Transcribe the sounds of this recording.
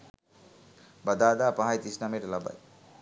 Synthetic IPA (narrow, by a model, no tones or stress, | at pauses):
bɐd̪aːd̪apaɦajt̪isnameɾlɐba̰j